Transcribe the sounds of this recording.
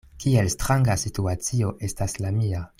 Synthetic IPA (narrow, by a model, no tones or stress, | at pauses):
kie̞lstɾaŋɡasituat͡sio̞ʔe̞staslamia